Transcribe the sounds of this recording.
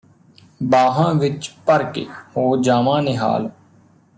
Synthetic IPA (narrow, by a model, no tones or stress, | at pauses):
baːɦãːʋɪt͡ʃpəɾkḛːhoːd͡ʒaːmãːneɦa̰ːl